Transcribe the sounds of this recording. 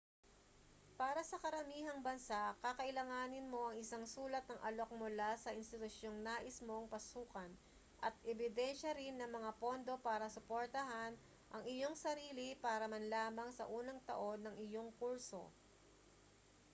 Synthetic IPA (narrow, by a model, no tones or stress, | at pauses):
paːɾɐsɐkɐɾɐmiːɦɐŋbɐnsakakɐʔɪlɐŋaːnɪnmo̞ʔɐŋʔɪsaŋsuːlɐt̪̚nɐŋʔɐlo̞k̚mʊlasɐʔɪnst̪ɪt̪ʊsjo̞ŋnaːʔɪsmo̞ŋpɐsuːkɐn | ʔɐt̪̚ʔɛbɪd̪ɛnʃɐɾɪnːɐŋmɐŋapo̞nd̪o̞paːɾɐsʊpoɾt̪ɐɦan | ʔɐŋɪjo̞ŋsɐɾiːlipaːɾɐmɐnlaːmɐŋsɐ̰ʔuːnɐŋt̪ɐ̰ʔo̞nːɐŋɪjo̞ŋkuɹso̞̰